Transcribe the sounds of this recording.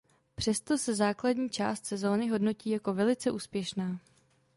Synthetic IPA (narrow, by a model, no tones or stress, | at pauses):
pr̝̥ɛst̪o̞sɛzaːkladɲiːt͡ʃa̰ːst̪sɛzo̞ːnɪɦo̞dno̞ciːjako̞vɛlɪt͡sɛʔuːspjɛʃnaː